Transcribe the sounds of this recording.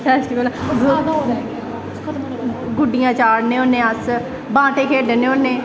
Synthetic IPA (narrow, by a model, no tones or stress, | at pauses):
ɛskikoːlaɡ | ɡʊɖɪjãːt͡ʃaːɽnẽːonːẽːəs | bãːʈẽːkʰeːɖenẽːonːẽː